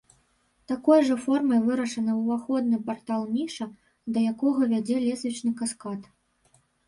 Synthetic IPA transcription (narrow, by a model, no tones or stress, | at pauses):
t̪akɔjʐɐfɔrmɐjvɨɾɐʂɐnɐwvaxɔd̪nɨpart̪alˠmʲiʂɐ | d̪ɐjakɔɣɐvʲad͡zʲɛlʲɛsʲvʲit͡ʂnɨkaskat̪